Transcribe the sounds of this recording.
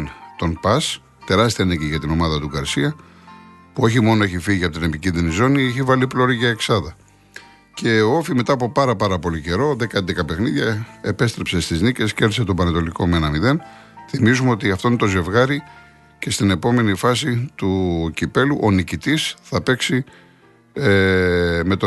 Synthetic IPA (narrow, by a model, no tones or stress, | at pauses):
nt̪o̞npɐs | t̪e̞ɾɐst̪iɐneceʝɐt̪ino̞mɐðɐt̪uɡɐɾsiɐ | puo̞çimo̞no̞eçifiʝiɐpot̪ine̞picinðinizo̞nieçivɐliplo̞ɾiʝɐeksɐðɐ | ce̞ofime̞t̪ɐːpo̞pɐɾɐpɐɾɐpo̞lice̞ɾo̞ðe̞kɐnd̪ekɐpe̞xniðʝɐe̞pe̞st̪ɾe̞pse̞st̪iznice̞sceɾθiset̪obɐnɐt̪o̞liko̞menɐmiðe̞n | θimizumeo̞t̪iɐft̪o̞net̪o̞ze̞vɣɐɾi | ce̞st̪ine̞po̞me̞nifɐsit̪ucipe̞luʔo̞nicit̪isθɐpe̞ksi | me̞t̪o